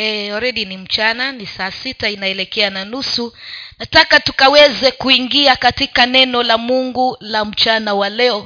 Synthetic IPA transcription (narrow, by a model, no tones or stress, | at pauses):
ɛɔɾɛɗinim̩t͡ʃananisaːsitainaɛlɛkɛananusunatakatu̥kawɛzɛkuiŋɡiakatikanɛnɔlamuŋɡulam̩t͡ʃanawalɛɔ